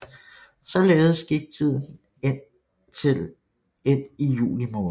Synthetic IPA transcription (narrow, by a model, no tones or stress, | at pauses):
sɒ̽leːð̞̩ˠəsɡ̥iɡ̥̚t͡sʰið̰ˠn̩ | e̝n | t͡sʰe̝l | e̝n̰ijṵːlimɔ̽ː